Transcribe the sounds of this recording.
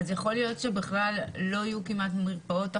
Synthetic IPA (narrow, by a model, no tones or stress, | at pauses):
zjaχo̞ljo̞tʃebiχlalːo̞ajukimatmiʁpao̞ta